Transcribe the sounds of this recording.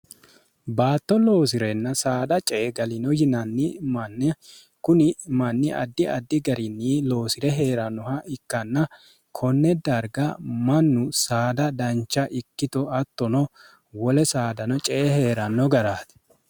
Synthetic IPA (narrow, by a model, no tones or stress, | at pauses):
baːt̪ːɔlo̞ːs̬ɪɾɛnːɐsaːd̪ɐt͡ʃʼeːɡɐlɪnɔjɪnɐnːɪmɐnːɛ | kʊnɪmɐnːɪʔɐ̰d̪ːɪɐ̰d̪ːɪɡɐɾɪnːilo̞ːsɪɾɛɦe̞ːɾɐnːɔhɐɪkːɐnːɐ | kʰɔnːɛd̪ɐɾɡɐmɐnːʊsaːd̪ɐd̪ɐnt͡ʃːɐʔɪkːɪt̪ɔɐt̪ːɔnɔ | wɔlɛsaːd̪ɐnɔt͡ʃʼɛːhe̞ːɾɐnːɔɡɐɾaːt̪ɛ̥